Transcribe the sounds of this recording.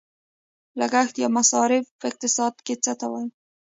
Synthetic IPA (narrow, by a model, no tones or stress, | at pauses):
laɡaxt̪jɑmasɑɾɪfpəɪq̚t̪ɪsɑd̪ket͡sət̪awaj